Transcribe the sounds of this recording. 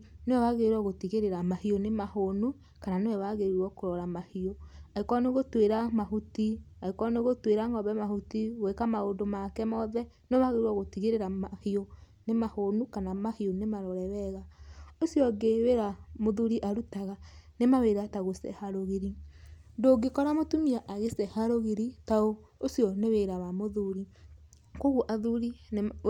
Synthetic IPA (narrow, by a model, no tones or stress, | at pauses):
newɛwaɣeɾwɔɣotiɣeɾeɾamahionemahonu | kananewɛwaɣeɾwɔkoɾɔɾamahioaekɔneɣotweɾamaɦutiaekɔneɣotweɾaŋɔβɛmahutiɣwekamaondomakɛmɔðɛneɛβaɣeɾwɔɣotiɣeɾeɾamahio | nemahonukanamahionemaɾɔɾɛɾɛɣaosjɔɡeweɾamoðuɾiʔaɾutaɣanemaweɾataɣosɛ̰haɾoɣeɾindoɡekɔɾamotumiaʔaɣesɛhaɾoɣeɾitaoosjɔneweɾaβamoðuɾi | koɣuʔaðuɾi